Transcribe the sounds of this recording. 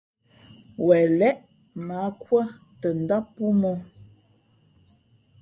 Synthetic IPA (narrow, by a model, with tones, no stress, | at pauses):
wɛ˨lɛ˦ʔ | ma˨˦kwa˦ | tə˨n̩˨da˦pu˦mɔ˦